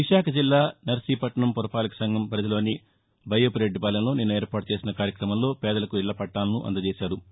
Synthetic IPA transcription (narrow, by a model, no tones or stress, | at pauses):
ʋiʂaːkʰɐd͡ʒilːaːnɐɾsiːpɐʈɐɳɐmpuɾɐpaːlɐkɐ̥sɐŋɡʱɐmpɐɾɐd͡ʒ̪ɐlo̞ːni | bʱɐjopɾeɖːipɐːlɐnlo̞ːneːnːuɛːɾpaːʈu̥t͡ʃe̞ːsinɐkaːɾjɐkɾɐmɐmlo̞ːpɛːd̪ɐlɐkuiɭːɐpɐʈːaːlɐnuʔɐ̰nd̪ɐd͡ʒɛːʃaːɾu